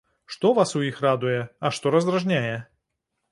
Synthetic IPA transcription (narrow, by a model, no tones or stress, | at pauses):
ʂt̪ɔvasʊixrad̪ʊjɛɐʂt̪ɔɾɐzd̪ɾɐʐnʲajɛ